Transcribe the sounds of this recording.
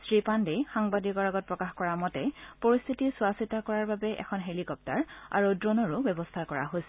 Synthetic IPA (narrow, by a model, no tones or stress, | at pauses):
sɹipandejxaŋbadikɔɹaɡɔt̚pɹɔkaxkɔɹamɔtɛpoɹist̪ʰitisuasitakɔɹaɹbabɛʔɛ̰kʰɔnɦelikɔp̚taɹa̰ɹudɹonɔɹubɛbɔstʰakɔɹa̰ɦojsɛ